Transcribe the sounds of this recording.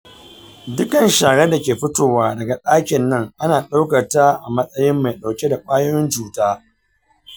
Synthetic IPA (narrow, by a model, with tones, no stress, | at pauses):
dʊ˦kɐ˨nʃaː˨ɽe˦da˨kʲeː˨ɸɪ˦toː˨waː˦dɐ˨ɡa˨ɗaː˦kʲɪ˨nːɐ˦ŋʔa˦naː˨ɗa˦wkɐ˨rta˦ʔa˨mɐ˦sʼɐ˦jɪ˦mːa˨jɗa˨wkʲe˦da˨kʼaː˦joː˦jɪ˦nt͡ʃuː˨taː˦